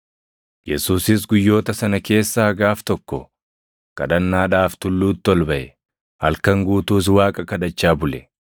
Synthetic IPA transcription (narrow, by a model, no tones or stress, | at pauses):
jɛsuːsɪs̬ɡʊjːo̞ːt̪ɐsɐnɐke̞ːsːaːɡaːft̪ɔkːɔ̰ | kʼɐᶑɐnːaːᶑaːft̪ʊlːuːt̪ːɪɔlbɐʔɛ | hɐlkɐŋɡuːt̪uːs̬waːkʼɐkɐd̪ɐt͡ʃːaːbʊlɛ